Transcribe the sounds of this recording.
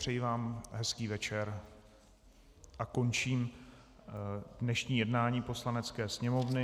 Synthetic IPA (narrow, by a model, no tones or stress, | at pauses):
r̥ɛjivaːmɦɛskiːvɛt͡ʃɛɾ | ʔako̞nt͡ʃiːm | dnɛʃɲiːjɛdnaːɲiːpo̞slanɛt͡skɛːsɲɛmo̞vnɪ